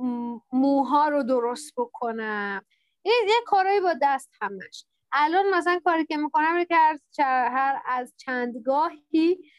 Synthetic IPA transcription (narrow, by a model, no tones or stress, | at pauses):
muːɦɒːɾod̪oɾost̪̚bo̞kʰonæm | injekʰːɒːɾɒːjibɒːd̪æst̪hæmæ̰ʃ | ʔælɒnmæsælænkʰɒːɾiːkʲemiko̞næminekʲehæɾt͡ʃæɦæɾæzt͡ʃʰænd̪ɡɒːhi